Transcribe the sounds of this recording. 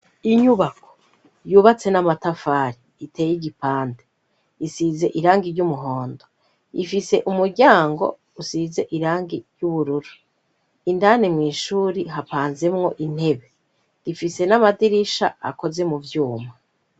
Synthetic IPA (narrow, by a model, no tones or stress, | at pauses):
iɲuβakʰo̥ | juːβat͡se̞namatafaːɾiːteːjiɟipaːnde | isiːze̞ʔiɾaːŋɡiɾɟumuɦo̞ːndo | ifise̞ʔumuɾɟaːŋɡo̞̰ | usize̞ʔiɾaːŋɡiɾjuβuɾuɾu | indanemŋiːʃuːɾiɦapaːnze̞mŋo̞̰ʔin̥he̞βe̞ | ɾifise̞namadiɾiʃa̰a̰ko̞ze̞muvjuːma